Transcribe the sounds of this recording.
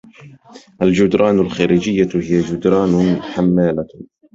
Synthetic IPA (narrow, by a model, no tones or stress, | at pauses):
ʔald͡ʒʊd̪ɾˤɑːnʊlxaːɾid͡ʒɪjːahɪjad͡ʒʊd̪ɾˤɑːnħamːaːla